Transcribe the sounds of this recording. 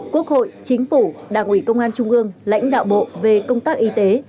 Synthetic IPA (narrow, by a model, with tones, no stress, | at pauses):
ku˦˥ək̚ho̰˧˨jt͡ɕï˨˦ŋ̟fu˧˩ɗaː˨˩ŋʔwi˧˩kə˧wŋ͡mʔaː˧nt͡ɕʊ˧ŋ͡mʔɨ˧əŋla̰˧˥jŋ̟ɗa̰ː˧˨wɓo̰˧˨ve˨˩kə˧wŋ͡mt̪aː˦˥k̚ʔi˨˦t̪e˨˦